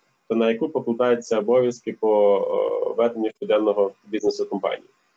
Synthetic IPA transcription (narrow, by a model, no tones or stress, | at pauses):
t̪ɐnɐjɐkupɔklˠʊk̪ɑjʊt͡sʲːɐɔbɔʋʲjɐskɪpɔ | ʋɛd̪enʲːiʃt̪ʊd̪ɛnːɔɦɔbʲiznesʊkɔmpɑ̰nʲḭji